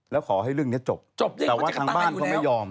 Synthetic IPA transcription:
lɛː˦˥wkʰɔː˩˦ɦa˥˩jɾɯ˥˩əŋni˦˥ɐt͡ɕo˨˩p̚t͡ɕo˨˩p̪̚ɛː˨˩waː˥˩t̪ʰaː˧ŋbaː˧˥˩nkɔ˥˩ma˥˩jɔː˧m

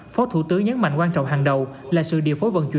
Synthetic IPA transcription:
fɔ˨˦t̪ʰu˧˩t̪ɨ˨˦ŋɲə˨˦nma̰˧˨ŋkwaː˧nt͡ɕɔ̰˧˨wŋ͡mɦaː˨˩ŋɗə˨˩wlaː˨˩sɨ̰˧˨ɗḭ˧˨əfo˨˦jvə̰˧˨nt͡ɕwḭ˧

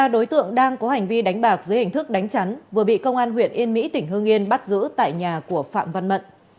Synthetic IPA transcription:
aː˧ɗo˨˦jt̪ɨ̰˧˨əŋɗaː˧ŋkɔ˨˦ha˨˩ŋ̟vi˧ɗa˨˦jŋ̟ɓaː˨˩k̚zɨ˨˦jhi˨˩ŋ̟t̪ʰɨ˦˥k̚ɗa˨˦jŋ̟t͡ɕa˨˦nvɨ˨˩əɓḭ˧˨kə˧wŋ͡mʔaː˧nhwḭ˧˨ənʔi˧ənmḭ˧˥t̪ï˧˩ŋ̟ɦɨ˧əŋʔi˧ənɓa˦˥t̚zɨ̰˧˥t̪a̰ː˧˨jɲaː˨˩ku˧˩əfa̰ː˧˨mva˧nmə̰˧˨nʔ

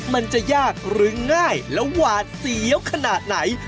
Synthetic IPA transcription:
ma˧nt͡ɕa˨˩jaː˥˩k̚ɾɯ˦˥ŋaː˥˩jlɛ˦˥wwaː˨˩t̪̚si˨˦əwkʰa˧naː˨˩t̪̚na˩˦j

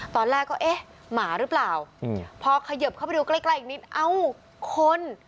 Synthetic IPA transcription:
t̪ɔː˧nlɛː˥˩kːɔː˥˩ʔe˦˥˩ | maː˩˦ɾɯː˦˥plaː˨˩wpʰɔː˧kʰa˧jɤ˨˩p̚kʰa˥˩pa˧du˧kla˥˩jkla˥˩˨k̚ni˦˥t̪̚ʔa˧w | kʰo˧n

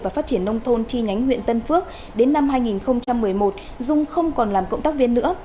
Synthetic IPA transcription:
vaː˨˩faː˦˥t̚t͡ɕi˧˩ənːə˧wŋ͡mt̪ʰo˧nt͡ɕi˧ɲa˨˦jŋɦwḭ˧ənt̪ə˧nfɨ˦˥ək̚ | ɗe˨˦nːa˧mɦaː˧jŋi˨˩nxə˧wŋ͡mt͡ɕa˧mːɨ˨˩əjmo˨˩t̚ | zʊ˧ŋ͡mxə˧wŋ͡mkɔ˨˩nlaː˨˩mkə̰˧˨ŋ͡mt̪aː˦˥k̚vi˧ənːɨ̰˧˥ə

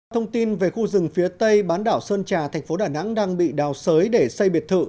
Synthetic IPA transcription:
t̪ʰə˧wŋ͡mt̪i˧nve˨˩xu˧zɨ˨˩ŋfi˨˦ət̪ə˧jɓaː˨˦nɗaː˧˩wsəː˧nt͡ɕaː˨˩t̪ʰɛ˨˩ŋ̟fo˨˦ɗaː˨˩na̰˧˥ŋɗaː˧ŋɓḭ˧˨ɗaː˨˩wsəː˨˦jɗe˧˩sə˧jɓi˨˩ət̚t̪ʰɨ̰˧˨

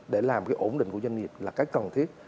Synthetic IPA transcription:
ɗe˧˩laː˨˩mkaː˨˦jʔo̰˧˩nɗï˧˨ŋku˧˩əzwa˧ŋi˨˩əp̚laː˨˩kaː˨˦˥jkə˨˩nt̪ʰi˦˥ət̚

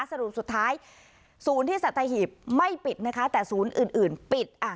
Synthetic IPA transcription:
sa˧ɾu˨˩p̚su˨˩t̪ʰːaː˦˥j | suː˩˦nt̪iː˥˩sa˨˩t̪ʰːaː˧ɦhiː˨˩p̚ma˥˩jpi˨˩t̪̚na˦˥kʰa˦˥t̪ɛː˨˩suː˩˦nʔɯː˨˩nʔɯː˨˩npi˨˩t̪̚ʔa˧˩

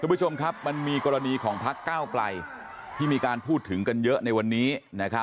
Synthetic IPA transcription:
kʰu˧mbʰu˥t͡ɕʰo˧mkʰa˦˥p̚ma˧nmiː˧kɔː˧ɾa˧niː˧kʰɔː˩˦ŋpʰa˦˥kːaː˥˩wkla̰˧j | t̪ʰiː˥˩miː˧kaː˧npʰuː˥˩t̪ʰːɯ˩˦ŋka˧njɤ˦˥ʔna˧jwa˧nːiː˦˥na˦˥kʰa˦˥

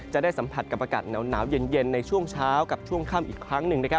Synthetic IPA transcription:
t͡ɕa˨˩ʔ̚daː˥˩jsa˩˦mpʰa˨˩t̪̚ka˨˩pːʔa˧ka̰ː˨˩t̪̚nɛː˩˦wnaː˩˦wje˧nje˧nːa˧jt͡ɕʰu˥˩əŋt͡ɕʰaː˦˥wka˨˩p̚t͡ɕʰu˥˩əŋkʰaː˥˩mʔiː˨˩kʰɾa˦˥ŋnɯ˨˩ŋna˦˥kʰa˦˥

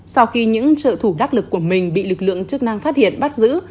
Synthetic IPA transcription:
sa˧wxi˧ɲɨ̰˧˥ŋt͡ɕə̰ː˧˨t̪ʰu˧˩ɗaː˦˥t̚lɨ˨˩kːu˧˩əmï˨˩ŋ̟ɓḭ˧˨lɨ˨˩k̚lɨ̰˧˨əŋt͡ɕɨ˦˥ək̚na˧ŋfaː˦˥t̚hḭ˧˨ənɓa˦˥t̚zɨ̰˧˥

